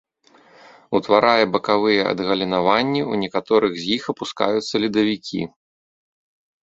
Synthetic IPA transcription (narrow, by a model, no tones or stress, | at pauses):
ut̪vaɾajɛbɐkavɨjɛɐ̰d̪ɣɐlʲinavanʲːiunʲɛkat̪ɔɾɨɣzʲjixɐpuska̰jut̪sːɐlʲid̪ɐvʲikʲḭ